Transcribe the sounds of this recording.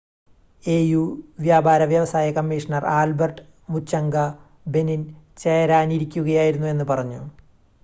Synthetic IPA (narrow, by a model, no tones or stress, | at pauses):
eːjuːʋjaːbʱaːɾɐʋjɐʋɐsaːjɐkɐmːiːʂɐnɐraːlbɐrʈɨ | mut͡ɕːɐŋɡɐ | be̞nint͡ɕejɐɾaːniɾikʲːuɣɐjaːjiɾunːue̞nːɨpɐrɐɲːu